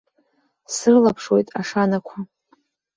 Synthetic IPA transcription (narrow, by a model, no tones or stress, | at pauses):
sɨrlapʰʂwe̞jtʼaʂanakʷʰa